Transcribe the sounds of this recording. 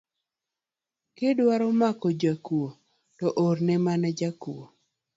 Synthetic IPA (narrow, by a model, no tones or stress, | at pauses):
kedwaɾomakɔd͡ʒakuo | tɔʔoɾnɛmanad͡ʒakuo